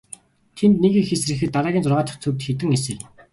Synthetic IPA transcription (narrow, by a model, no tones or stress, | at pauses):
t̪ʰent̪neɣiːxesrɘ̆xɘ̆t̪ːaɾaːɣiːnt͡sʊrʁaːt͡ɕ̪ə̥̆χt͡sʰɵwʲt̪xet̪ɘ̆ŋesɘ̆ɮ